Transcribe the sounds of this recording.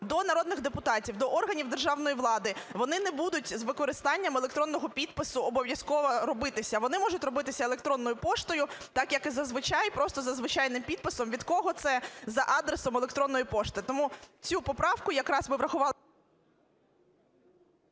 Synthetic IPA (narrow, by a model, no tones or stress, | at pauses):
d̪ɔnɐɾɔd̪nɪɣd̪epʊt̪ɑtʲiwd̪ɔʔɔrɦɐnʲiwd̪erʒɑwn̪ɔjiʋlˠɑd̪ɪʋɔnɪnɛbud̪ʊtʲzʋɪkɔɾɪst̪ɑnʲːɐmelˠek̚t̪ɾɔnːɔɦɔpʲid̪̚pɪsʊɔbɔʋʲjɐskɔʋɔɾɔbɪt̪ɪsʲɐʋɔnɪmɔʒʊtʲrɔbɪt̪ɪsʲɐelˠekt̪ɾɔnːɔjʊpɔʃt̪ɔjʊt̪ɑkjɐkɪzɐzʋɪt͡ʃɑjpɾɔst̪ɔzɐzʋɪt͡ʃɑjnɪmpʲid̪̚pɪsɔmʋʲid̪kɔɦɔt̪sɛzɐʔɑd̪ɾesɔmelˠekt̪ɾɔnːɔjipɔʃt̪ɪt̪ɔmut͡sʲupɔpɾɑwkʊjɐkɾɑzbɪʋɾɐxʊʋɑ